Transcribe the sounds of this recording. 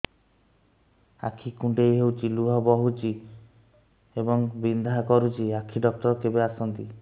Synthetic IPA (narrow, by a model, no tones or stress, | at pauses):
a̰kʰikuɳɖejɦewt͡ʃiluɦɔbɔɦut͡ʃi | ebɔŋbind̪ʱakɔɾut͡ʃiakʰiɖɔk̚ʈɔɾɔkebeasɔnt̪i